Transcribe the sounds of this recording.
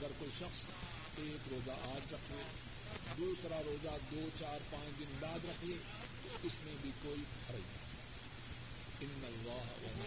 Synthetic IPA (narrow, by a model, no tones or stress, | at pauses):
ɡəɾkoːiʃɐxs | eːkɾoːzaʔaːd͡ʒɾɐkʰeː | d̪uːsɾaɾoːzad̪oːt͡ʃaːɾpãːt͡ʃd̪ɪnd̪aːd̪ɾɐkʰieː | t̪oɪsmẽbʱikoːi | pʰɐɾaḭa̰ | ɪnːɐlːaːɦwɐ̰